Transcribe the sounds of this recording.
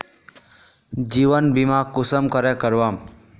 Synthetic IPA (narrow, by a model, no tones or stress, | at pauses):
d͡ʒiʋənbimakusəmkʌɾɛkəɾʋam